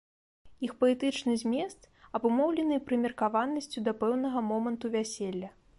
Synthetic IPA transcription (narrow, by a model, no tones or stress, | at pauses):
ixpɐlʲɛt̪ɨt͡ʂnɨzʲmʲɛst̪ | ɐbumɔwlʲɛnɨpɾɨmʲɛrkavanːɐsʲt͡sʲud̪ɐpɛwnɐɣɐmɔmɐnt̪uvʲasʲɛlʲːɐ